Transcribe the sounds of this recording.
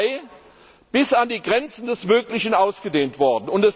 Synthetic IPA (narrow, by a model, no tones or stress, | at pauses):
ɪ | b̥ɪsandiːɡʁɛnt͡sn̩dɛsmøːklɪçn̩aʊsɡ̥ədeːntv̥ɔɐdn̩ʊntɛs